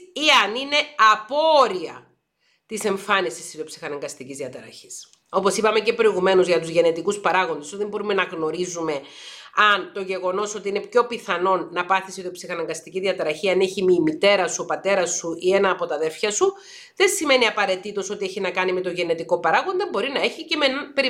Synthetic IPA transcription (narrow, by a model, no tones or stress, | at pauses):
iɐnine̞ɐpo̞ɾiɐ | t̪ise̞ɱfɐnist̪ist̪ːiðiopsi̥xɐnɐŋɡɐst̪icizðiɐt̪ɐɾɐ̰çi̥s | o̞po̞sipɐme̞cepɾo̞iɣume̞nuzʝɐt̪uzʝe̞ne̞t̪ikuspɐɾɐɣo̞nd̪esuðembo̞ɾume̞nɐɣno̞ɾizume̞ | ɐnt̪o̞ʝe̞ɣo̞no̞so̞t̪iine̞pço̞piθɐno̞nːɐpɐθisiðio̞psixɐnɐŋɡɐst̪iciðiɐt̪ɐɾɐçiɐne̞çimimit̪e̞ɾɐsupɐt̪e̞ɾɐsuie̞nɐːpo̞t̪ɐðe̞fçɐsu | ðe̞nsime̞niɐpɐɾe̞t̪it̪o̞so̞t̪ie̞çinɐkɐnime̞t̪o̞ʝe̞ne̞t̪iko̞pɐɾɐɣond̪ɐbo̞ɾinɐe̞çicemenpe̞ɾi